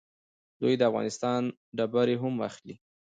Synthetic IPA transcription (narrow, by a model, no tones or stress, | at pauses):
d̪ujd̪əafɣɑ̰nɪst̪ɑn | ɖabaɾeɦama̰xli